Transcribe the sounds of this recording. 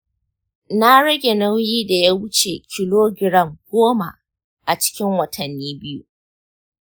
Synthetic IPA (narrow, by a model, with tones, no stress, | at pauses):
na˦ɽɐ˦ɡʲe˨nɐ˦wjiː˦da˨ja˦wʊ˦t͡ʃḛ˨kʲɪ˦loː˦ɡʲɪ˦ɽɐ˦˨mɡ̥ʷoː˦ma̰˨ | ʔa˨t͡ʃɪ̥˦kʲɪ˦ŋwɐ˨tʰɐ˨nːiː˦bɪ˦jṵ˦